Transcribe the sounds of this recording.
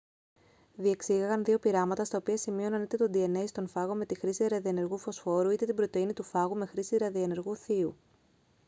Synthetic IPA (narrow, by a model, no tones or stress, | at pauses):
ðie̞ksiɣɐɣɐnðio̞piɾɐmɐt̪ɐst̪ɐo̞piɐsimio̞nɐnit̪e̞t̪o̞d̪ie̞neist̪o̞nfɐɣo̞me̞t̪ixɾisiɾɐðiene̞ɾɣufo̞sfo̞ɾuit̪e̞t̪ibɾo̞t̪e̞init̪ufɐɣume̞xɾisiɾɐðiene̞ɾɣuθiu